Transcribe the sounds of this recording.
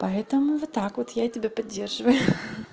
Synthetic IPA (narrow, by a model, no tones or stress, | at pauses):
pɐɛt̪əmʊvot̪ːakvot̪jaitʲɪbʲapɐdʲːe̞rʐɨvəjʊ